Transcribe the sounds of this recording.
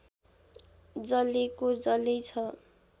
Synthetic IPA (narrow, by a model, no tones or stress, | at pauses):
d͡zʌlikod͡zʌlit͡sʰʌ